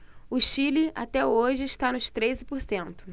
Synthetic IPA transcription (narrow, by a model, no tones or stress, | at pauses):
ʊʃilɪa̰t̪ɛoʒɪːʃt̪anʊʃt̪ɾezɪpʊɾsẽnt̪ʊ̥